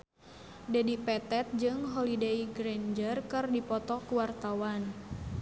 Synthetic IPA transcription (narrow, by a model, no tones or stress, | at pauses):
dadipɛt̪ɛt̪̚d͡ʒɨŋɦɔlidejɡɾend͡ʒərkɨrdipɔt̪ɔkuwart̪awan